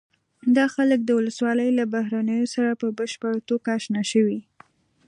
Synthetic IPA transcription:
d̪ɑxalək̚d̪əwʊləswɑləjlabahɾanəjosaɾapəbəʃpəɽt̪okaːʃnaʃəwi

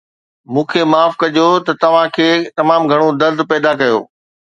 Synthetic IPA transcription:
mũːkʰemaːfkɐʄot̪ɐt̪ɐʋ̤ãkʰeːt̪ɐmaːmɡʱɐɽ̃od̪ɐɾd̪ʱpɛːd̪akɐjo̰ː

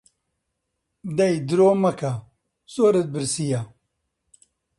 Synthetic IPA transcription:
d̪ɐjd̪ɨɾoːmɐka | soːɾɐt̪̚bɨɾsija

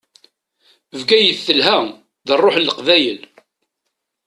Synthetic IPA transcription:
vɡæjəθːəlɦæ | ðərˤːoħlːəqvæjəl

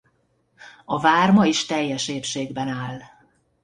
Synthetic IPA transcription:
ɒvaːrmɒiʃt̪ɛjːɛʃeːpʃeːɡbɛnaːl

